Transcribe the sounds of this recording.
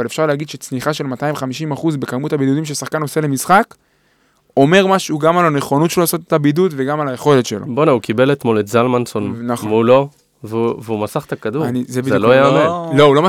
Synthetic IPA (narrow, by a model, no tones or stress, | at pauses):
ale̞fʃaʁleaɡid̪ʃet͡sniχaʃe̞lmat̪aimχamiʃimaχuzbe̞kamutabid̪ud̪imʃesaχkano̞se̞le̞misχak | o̞me̞ʁmaʃeuɡamalaneχo̞nut̪ʃelolaːso̞t̪et̪abidudve̞ɡamalajeχo̞le̞t̪ʃe̞loboneukibe̞let̪mo̞letzalmansonnamulo | vveumasaχt̪akad̪uanizebizlojaːmenlo̞ulo̞ma